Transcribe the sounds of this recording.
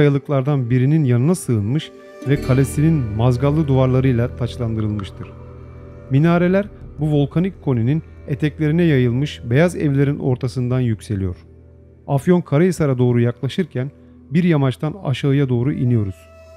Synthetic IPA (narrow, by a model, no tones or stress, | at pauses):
ajalˠɯklˠaɾd̪anbiɾininjanɯnasɯːnmɯʃ | vɛkʰalʲesininmazɡalˠːɯd̪uvaɾlˠaɾɯjlˠat̪ʰat͡ʃlˠand̪ɯɾɯlˠmɯʃt̪ʰɯɾ̥ | minaːɾe̞lʲæɾbuvo̞lˠkʰanickʰːo̞nininet̪ʰɛclʲe̞ɾinɛjajɯlˠmɯʃbe̞jazɛ̰vlʲe̞ɾinʔo̞ɾt̪ʰasɯnd̪anjycse̞lijo̞̰ɾ̥ | afjo̞nkʰaɾajasaɾad̪o̞ːɾujaklˠaʃɯɾcʰæn | biɾjamat͡ʃt̪ʰana̰ʃaɯjad̪o̞ːɾuʔinijo̞ɾuz̥